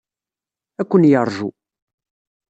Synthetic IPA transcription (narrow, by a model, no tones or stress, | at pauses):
ækʷːənjəɾˤʒu